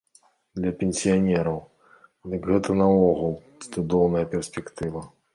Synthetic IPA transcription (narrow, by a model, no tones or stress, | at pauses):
d̪lʲɐpʲenʲsʲijanʲɛɾɐw | d̪ɨkɣɛt̪ɐnɐɔɣulˠud̪ɔwnɐjɐpʲɛrsʲpʲɛkt̪ɨvɐ